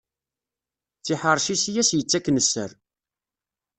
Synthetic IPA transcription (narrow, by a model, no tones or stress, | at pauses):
t͡sːiħəɾˤʃisijæsjət͡sːækːnəsːə̰ɾ